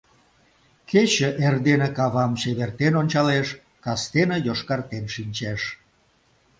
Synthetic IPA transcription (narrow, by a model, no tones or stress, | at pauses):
kʰet͡ɕə̆ʔerd̪enekɑβɑmt͡ɕeβert̪enonʲt͡ɕɑleʃ | kɑst̪enəjoʃkɑrt̪enʃinʲt͡ɕeʃ